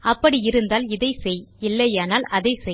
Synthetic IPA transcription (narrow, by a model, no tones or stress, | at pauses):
ɐpːɐɽiɪɾɯnd̪aːlɪðɐɪsɛjɪlːɐjaːnaːlɐðɐɪsɛ